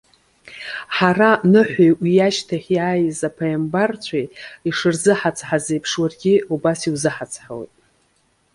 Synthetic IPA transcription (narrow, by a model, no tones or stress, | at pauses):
ħaranɨħʷajʔʷijaʃtʰaχʲjaːjzapʰajambart͡ɕʷʰajiʂɨrzɨħat͡sʰħazejpʰʂwarɡʲiubasiwzɨħat͡sʰħaw̰jtʼ